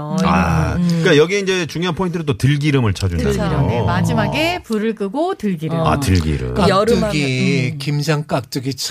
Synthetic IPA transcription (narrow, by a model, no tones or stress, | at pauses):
a̰kajʌɡieind͡ʑe̞t͡ɕuŋjoanpʰointʰɯɾɯt͈otɯɭɡiɾɯmɯɭt͡ɕʰad͡ʑundaiɾɯemad͡ʑimaɡepuɾɯɭk͈ɯɡotɯɭɡiɾɯa̰tɯ̰ɭɡḭɾɯ̰kaɾɯɡikimd͡ʑaŋk͈ak̚t͈ɯɡit͡ɕʰ